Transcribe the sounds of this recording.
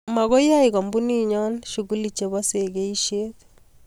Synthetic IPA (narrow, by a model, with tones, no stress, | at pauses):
ma˨ɡo˦ja˦ɪ˨kɔ˨mbu˦ni˦ɲɔ˦nʃu˨ɡu˦li˨t͡ʃe˨βɔ˦se˨ɡe˦i˦ʃe˦t̪